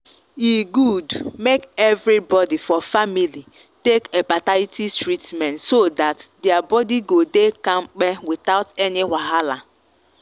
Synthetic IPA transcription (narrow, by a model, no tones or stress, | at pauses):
iɡudmekɛvɾibɔdifɔfamili | tekepataɪtistɾitmɛ̃ntsodatdeabɔdiɡodekãŋ͡m̩k͡pɛwɪt̪aʊtɛniɦaɦala